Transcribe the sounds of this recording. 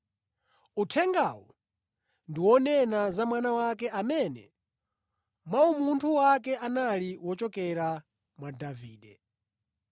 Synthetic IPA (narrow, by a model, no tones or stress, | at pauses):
utʰɛŋɡawɔ | ndiwɔnɛnazamwanawakɛʔamɛnɛ̰ | maumuntʰuwakɛʔanaliwɔt͡ʃɔkɛɾa | mwadaviːɗɛ